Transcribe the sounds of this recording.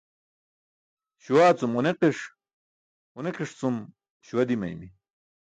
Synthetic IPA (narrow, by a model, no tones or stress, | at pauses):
ɕuwaːt͡sumuneqiʂ | uneqiʂt͡sum | ɕuwɐd̪imɐ̰jmi